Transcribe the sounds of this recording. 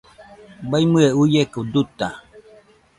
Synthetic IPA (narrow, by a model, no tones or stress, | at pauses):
bajmɨeujekəd̪ut̪a